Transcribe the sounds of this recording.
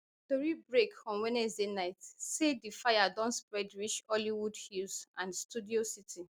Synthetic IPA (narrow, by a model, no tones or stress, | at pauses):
toɹibɹekɔ̃nwɛnɛsdenaɪtsedifajadɔ̃nspɹɛdwit͡ʃɔliwudhusãnstudiositʰi